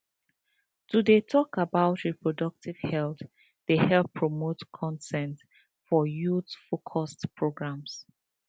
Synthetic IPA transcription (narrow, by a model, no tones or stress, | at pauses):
tudetʰɔkabaʊtɹipɹɔdʌk̚tiv̥hɛlθ | dehɛlpʰːɹɔmotkʰɔ̃ntɛ̃nt | fɔjutfokʰɔstpɹoɡɹãms